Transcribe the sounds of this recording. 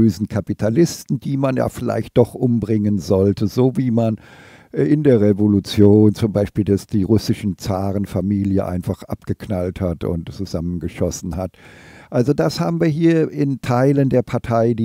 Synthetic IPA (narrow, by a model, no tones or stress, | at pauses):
øːzn̩kʰapitʰalɪstn̩d̥iːmanja̰ːfɪla̰ɪçt̚d̥ɔχʔʊmbʁɪŋənzɔltʰəzoːviːman | ɪndeːɐʁevolut͡sjoːnt͡sʊmbaɪʃpiːldasd̥iːʁʊsɪʃn̩t͡saːʁənfamiːljəʔa̰ɪnfaχʔa̰pɡ̥əkʰnalthatʊ̰ntt͡suzamənɡəʃɔsn̩hatʔalzodashaːbm̩viːɐɦiːɐɪntʰaɪləndeːɐpʰaɐtʰaɪdi